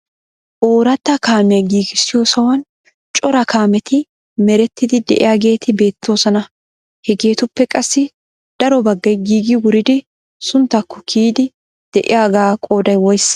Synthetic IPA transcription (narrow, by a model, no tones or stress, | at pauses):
ʔoːɾɐt̪ːɐkaːmɛɡiːɡɪsːɪjoːsɐwɐn | t͡ʃʼɔɾɐkaːmɛt̪ɪ | mɛɾɛt̪ːɪd̪ɪd̪ɛʔɪ̰jaːɡe̞ːt̪ɪbe̞ːt̪ːo̞ːsɐnɐ | hɛɡe̞ːt̪ʊpːɛkʼɐsːɪ | d̪̥ɐɾɔbɐɡːɐjɡiːɡɪwʊɾɪd̪ɪ | sʊnt̪ːɐkːɔkʰiːd̪ɪ | d̪̥ɛʔɪ̰jaːɡaːkʼo̞ːd̪ɐjwɔjs